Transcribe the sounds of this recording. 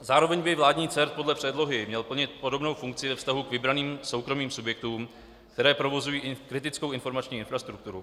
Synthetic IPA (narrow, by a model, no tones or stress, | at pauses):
zaːɾo̞vɛɲbɪvlaːdɲiːt͡sɛɾt̪̚podlɛpr̥ɛdlo̞ɦɪmɲɛlpl̩ɲɪt̪̚po̞do̞bno̞wfuŋkt͡sɪvɛfst̪aɦukvɪbɾaniːmso̞wkɾo̞miːmsubjɛk̚t̪uːm | kt̪ɛɾɛːpɾo̞vo̞zujiːʔkɾɪt̪ɪt͡skowʔɪnfo̞ɾmat͡ʃɲiːɪnfɾast̪ɾuk̚t̪uɾu